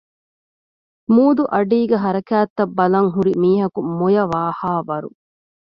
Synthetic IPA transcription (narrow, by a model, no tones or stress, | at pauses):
muːd̪uʔɐɖiːɡeɦɐɾɐkæːt̪ːɐbːɐlɐŋɦuɾimiːɦɐkumojɐʋaːhaːʋɐɾṵ